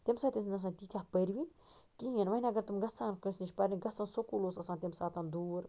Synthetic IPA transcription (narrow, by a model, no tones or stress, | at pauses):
t̪emsaːt̪ʲisinɐs̬ãːnt̪it̪ʰʲjaːpəɾʋin | k̪ijinʋɐɦinʲɐɡɐɾt̪umɡɐsaːnkɐnsnit͡ʃpɐɾnĩɡɐsãnsokuːloːsɐsãːnt̪ʲemsaːt̪ãnd̪uːɾ